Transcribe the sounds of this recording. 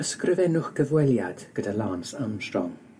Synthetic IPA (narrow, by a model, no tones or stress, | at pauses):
əskrɪvɛnʊχɡ̥əvwɛlˠjad̥ɡ̥ədalˠaːnsamʃrɔ̰ŋ